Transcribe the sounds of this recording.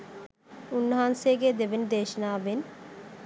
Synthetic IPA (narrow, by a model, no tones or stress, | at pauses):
unːɐɦanseːɡed̪eʋend̪eːʃɐnaːʋen